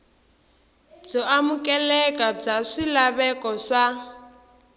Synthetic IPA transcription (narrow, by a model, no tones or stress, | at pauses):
b͡ʐɔamukɛlɛkab͡ʐaʂilaβɛkɔʂa